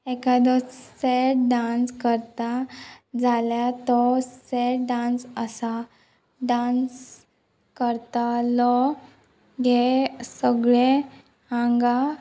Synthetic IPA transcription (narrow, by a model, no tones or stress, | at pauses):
ekad̪ɔsseʈɖãnskəɾt̪ad͡zʱaljat̪ɔseʈɖãnsəsa | ɖãns | kəɾt̪alɔ | ɡesəɡɭe | ãŋɡa